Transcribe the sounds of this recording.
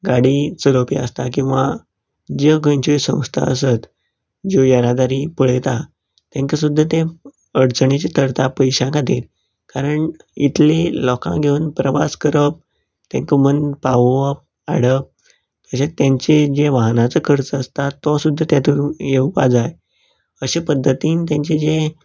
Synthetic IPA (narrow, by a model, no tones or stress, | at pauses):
ɡaɽiːt͡səlopiə̰st̪akĩw̃ʋa | d͡ʑəɡəɲt͡ɕisə̰̃w̃st̪ʰa̰əsət̪ | d͡ʑojəɾad̪aɾiːpəɭət̪a | t̪jãŋkəsud̪ʱːat̪ẽ | əɽt͡səɳit͡ɕet̪ʰəɾt̪apəjɕãkat̪iːɾ | kaɾəɳit̪lelɔkã̰ɡʱeuːnpɾəʋa̰skəɾəp̚ | t̪jãŋkəmənpaʋʋəp̚ | aɽəp̚ | k̪əɕat̪jãɲt͡ɕed͡ʑeʋaɦnat͡səkʰəɾt͡səəst̪at̪ːɔsud̪ʱːat̪jat̪uːɾjeupad͡zaj | əɕepəd̪ʱːət̪iːnt̪̬jãɲt͡ɕed͡ʑe